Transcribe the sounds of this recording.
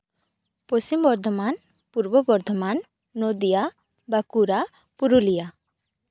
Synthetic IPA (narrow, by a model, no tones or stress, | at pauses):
posimbɔɾd̪ʱɔman | puɾbɔbɔɾd̪ʱɔmanː | od̪ija | bakuɾa | puɾulija